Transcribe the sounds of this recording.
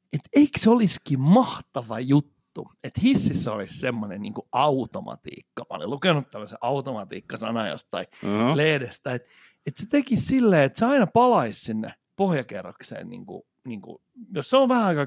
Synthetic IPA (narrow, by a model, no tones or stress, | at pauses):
et̪eiksoliskimmɑht̪ɑʋɑjut̪ːu | et̪hisːisːæolissemːonennḭːŋkuʔɑut̪omɑ̰t̪ḭːkːɑ̥mɑ̰o̰lḭlukenut̪t̪æmːøseʔɑut̪omɑt̪ḭːkːɑsɑ̰nɑjɑ̰st̪tːɑileːdest̪t̪ɑiet̪ | et̪set̪ekissilːeːet̪seɑinɑpɑlɑissinːḛ | pohjɑkerːɑ̰ksḛːnnḭːŋkṵ | niːŋkṵ | josseoʋʋæhæɑikɑ